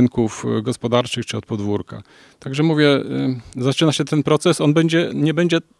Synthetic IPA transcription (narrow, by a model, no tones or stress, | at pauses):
nkufɡɔspɔd̪aɾt͡ʂɘxt͡ʂɘɔt̪pɔd̪vuɾka̰ | t̪aɡʐɛmuvʲjɛ | zat͡ʂɘnaɕɛt̪ɛnpɾɔt̪sɛsɔnbɛɲd͡ʑɛɲɛbɛɲd͡ʑɛ